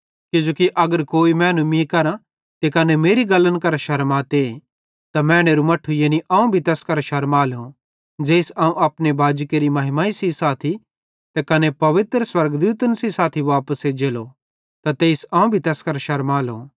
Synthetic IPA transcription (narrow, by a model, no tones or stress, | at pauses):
kɪd͡ʒoːkiʔɐɡəɾkoːimɛ̃ːnũmĩkɐɾã | t̪ekɐnemeːɾiɡɐlənkɐɾʃɐɾmaːt̪e | t̪amɛ̃ːɽ̃eːɾumɐʈʰːujeːniʔãːũbʱit̪ɛːskɐɾʃɐɾmaːlõ | d͡ʒeːsãːũɐpnebaːd͡ʒkeːɾimɐɦɪmaːisisaːt̪ʰi | t̪ekɐnepɐʋɪt̪ɾəswɐɾɡd̪uːt̪ənsisaːt̪ʰiʋaːpəsed͡ʒeːlo | t̪at̪eːsãːũbʱit̪ɛːskɐɾʃɐɾmaːlõ̰ː